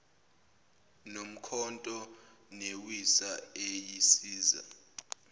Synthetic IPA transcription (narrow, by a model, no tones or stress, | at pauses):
nom̩kʰɔntʼɔ | newisaejisiːza̰